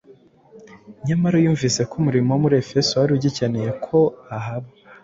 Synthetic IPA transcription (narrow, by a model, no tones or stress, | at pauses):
ɲamaɾojuːɱvise̞kumuɾimowmuɾiefe̞sowaɾiuɟicaneje̞kʰo̞aɦaβa